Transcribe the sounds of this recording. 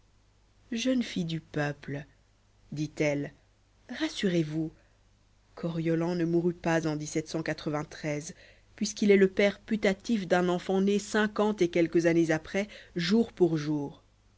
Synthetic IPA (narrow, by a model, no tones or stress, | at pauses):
ʒənfid̪ypœpl | d̪it̪ɛl | ʁasyʁevu | kʰɔʁjɔlɑ̃nəmuʁypazɑ̃d̪isɛt̪sɑ̃kat̪χəvɛ̃t̪χɛz | pɥiskilɛləpɛʁpyt̪at̪ifd̪ɛ̃nɑ̃fɑ̃nesɛ̃kɑ̃t̪ekʲɛlkəzanezapχɛʒuʁpuʁʒuːʁ